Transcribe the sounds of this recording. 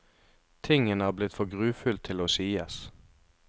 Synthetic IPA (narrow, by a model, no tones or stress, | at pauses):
t̪ʰɪŋənəæːʁblɪt̪fɔʁɡʁʉːfʉlt̪ʰɪloːsiːəs